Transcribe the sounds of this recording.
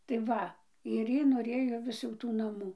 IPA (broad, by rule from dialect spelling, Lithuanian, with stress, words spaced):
tɐɪ ˈʋɐ ɪr ˈjiː noːˈrʲeːjoː ˈʋʲɪs jɛʊ ˈtuː nɐˈmuː